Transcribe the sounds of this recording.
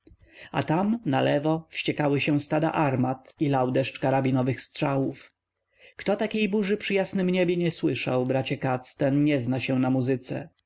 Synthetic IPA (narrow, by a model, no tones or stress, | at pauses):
a̰t̪amnalɛvɔfɕt͡ɕɛkawɘɕɛ̃st̪ad̪a̰ʔaɾmat̪ilawd̪ɛʂt͡ʂkaɾabʲinɔvɘxstʂawuf | kt̪ɔt̪akʲejbuʐɘpʂɘjasnɘmɲɛbʲjeɲɛswɘʂawbɾat͡ɕɛkat̪st̪ɛnɲɛznaɕɛ̃namuzɘt̪sɛ̰